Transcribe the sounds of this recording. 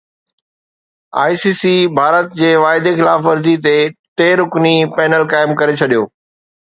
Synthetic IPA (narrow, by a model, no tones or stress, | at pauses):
a̰ːisiːsibʱaːɾət̪̚d͡ʑeːʋaːɪd̪exɪlaːfʋɐɾd̪it̪eʈeːɾʊknipɛːnəlkaːɪmkɐɾet͡ɕʰɐɗijoː